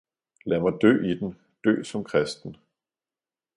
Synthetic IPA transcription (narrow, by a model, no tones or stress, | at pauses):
læmɑ̈ɪd̥ø̰ːid̥n̩ | d̥ø̰ːsɒ̽mkʰʁɛsd̥n̩